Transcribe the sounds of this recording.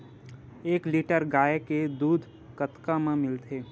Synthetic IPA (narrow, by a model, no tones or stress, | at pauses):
eːkliːʈəɾɡaːeked̪uːd̪ʱ | kət̪kamẽmɪlt̪ʰeː